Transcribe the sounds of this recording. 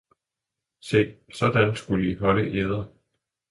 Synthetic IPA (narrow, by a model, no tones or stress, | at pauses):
se̝̰ːsɒ̽d̥ænsɡ̥uləiɦɒ̽ləʔeð̞ˠɐ